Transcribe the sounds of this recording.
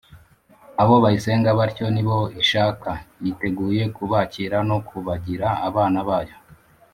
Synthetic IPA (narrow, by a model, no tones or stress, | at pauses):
aβo̞βajise̞ːŋɡaβaɾco̞niβo̞iʃaːkajite̞ɡuːje̞kuβaciːɾano̞kʰuβaɟiɾaːβaːnaβaːjo̞